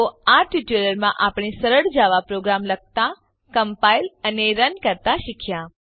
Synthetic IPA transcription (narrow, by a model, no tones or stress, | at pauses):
oaʈiʈiləɾmãʔapɳ̃isəɾəɽd͡ʒaʋapɾoɡɾamləɡ̚t̪a | kəmpailəneɾənkəɾt̪aʃikʰja